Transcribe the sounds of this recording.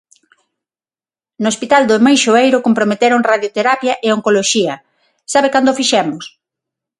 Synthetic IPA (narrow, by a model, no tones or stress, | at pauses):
nospit̪ald̪omajʃoejɾʊkompɾomet̪eɾoŋraðjot̪eɾapjɐʔeoŋkoloʃiɐ | saβekand̪ofiʃɛmʊs